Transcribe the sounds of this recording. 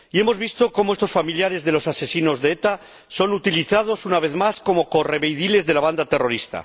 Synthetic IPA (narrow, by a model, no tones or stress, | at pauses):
ie̞mo̞zβist̪o̞komoe̞st̪o̞sfamiljaɾe̞zðe̞lo̞sase̞sino̞zðeet̪a | so̞nut̪iliθað̞o̞sunaβe̞θmasko̞mo̞ko̞re̞βejðile̞zðe̞laβand̪at̪e̞ro̞ɾist̪a̰